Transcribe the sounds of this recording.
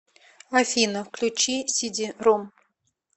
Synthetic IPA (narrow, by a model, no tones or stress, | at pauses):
afʲinəfklʲut͡ɕisʲidʲirom